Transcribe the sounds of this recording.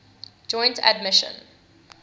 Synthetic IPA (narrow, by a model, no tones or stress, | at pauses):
d͡ʒɔ̃ɪ̃ntʰə̰d̚mɪʃə̰̃n